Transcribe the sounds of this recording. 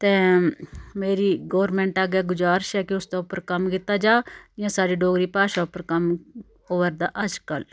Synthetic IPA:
t̪ẽː | meːɾiːɡoːʋɾmɛ̃ːɳʈaːɡaːɡʊd͡ʒaːɾʃɛːkɪʊsd̪aːʊpːəɾkəmkɪt̪ːaːd͡ʒaːɪãːsaːɖiːɖoːɡɾiːpaːʃaːʊpəɾkəm | oːʋəɾd̪aːʔəd͡ʒkəl

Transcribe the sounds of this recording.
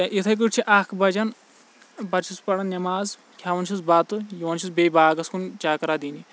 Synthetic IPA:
ɐʔit̪ʰɐjk̬ɨʈt͡ʃʰiʔaːkʰbɐd͡ʒɐn | bɐɾt͡ʃʰispɐɽɐnnʲɐmaːz | kʰjaːʋɐnt͡ʃʰizbɐt̪ɨjiʋɐnt͡ʃʰizbebʱaːɡɐskunt͡ʃaːkɐɾaːd̪iːni

